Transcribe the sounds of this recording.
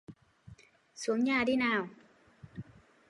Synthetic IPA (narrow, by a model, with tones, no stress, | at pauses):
su˨˦əŋɲaː˧˩ɗi˧˦naː˨˩w